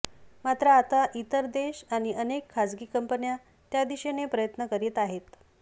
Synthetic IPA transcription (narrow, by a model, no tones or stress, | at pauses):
mat̪ɾəːt̪aʔit̪əɾd̪eɕaɽ̃iʔənekʰːad͡zɡiːkəmpənja | t̪jad̪iɕenepɾəjət̪nəkəɾiet̪aɦet̪